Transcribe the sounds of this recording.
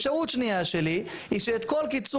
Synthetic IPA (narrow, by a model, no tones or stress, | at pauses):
ʃautʃnijaʃeli | iʃeːt̪ko̞lkit͡su